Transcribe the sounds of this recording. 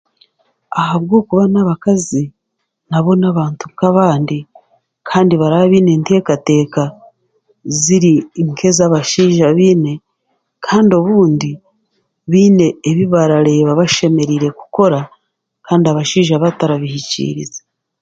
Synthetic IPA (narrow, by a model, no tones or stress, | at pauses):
ahaβɡo̞ːkuβanaβakazi | naβo̞naβaːntukaβaːndi | kʰaːndiβaɾaβaβiːne̞ːnte̞ːkate̞ːka | ziɾiŋkʰe̞zaβaʃiːʒaβiːne̞ | kʰaːndio̞βuːndi | βiːne̞ːβiβaɾaɾe̞βaβaʃe̞me̞ɾiɾe̞ku̥ko̞ɾa | kaːndiaβaʃiːʒaβataɾaβihicḭɾḭze